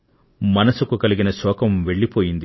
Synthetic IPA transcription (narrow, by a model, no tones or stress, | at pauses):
mɐnɐsukukɐliɡinɐsɔːkɐmʋe̞ɭːipoːjind̪i